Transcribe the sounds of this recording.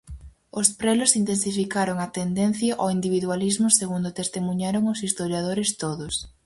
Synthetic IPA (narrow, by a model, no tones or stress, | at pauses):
ʊspɾɛlʊsint̪ensifikaɾoŋat̪end̪en̟θjɐʔoind̪iβiðwalizmʊseɣund̪ʊt̪est̪emuɲaɾoŋosist̪oɾjað̞oɾɪst̪oðʊs